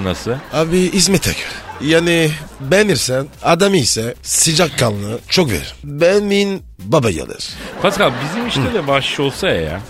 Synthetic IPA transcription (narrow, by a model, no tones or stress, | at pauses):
nasɯabiismɛt̪ʰɛ̰ɡøɾɛjaːnibɛniɾsænad̪amɯjsɛsɯd͡ʒakʰːalˠnɯt͡ʃʰokvḛɾɾimbɛnin | babaja̰lˠɯ̰ɾ̥pʰat̪kabizimiʃt̪ɛd̪ɛbaʃʃo̞lˠsaja̰ja̰